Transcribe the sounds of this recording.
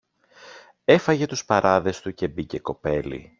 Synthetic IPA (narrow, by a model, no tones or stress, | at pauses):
e̞fɐʝe̞t̪uspɐɾɐðe̞st̪uce̞bice̞ko̞pe̞lḭ